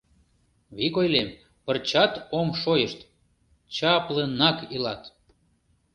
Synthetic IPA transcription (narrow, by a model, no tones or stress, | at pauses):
βikojlem | pərt͡ɕɑt̪omʃojəʃt̪ | t͡ɕɑplənɑkilɑt̪